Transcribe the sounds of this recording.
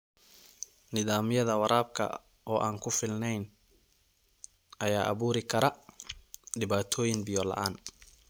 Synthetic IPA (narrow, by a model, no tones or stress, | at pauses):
nɪðaːmɪjɐðɐwɐɾʔaːb̚kʰɐ̰ | ɔːʔaːnkʰʊfɪlnɛjn | ʔɐjaːʔɐβuːɾɪkʰɐɾɐ | ɖɪβaːt̪ʰɔːjɪŋbɪjɔlɐ̰ʔaːn